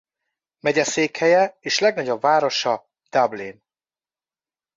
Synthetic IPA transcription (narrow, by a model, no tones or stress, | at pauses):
mɛɟɛseːkhɛjɛeːʃlɛɡnɒɟo̞bvaːɾo̞ʃɒ | d̪̥abliːn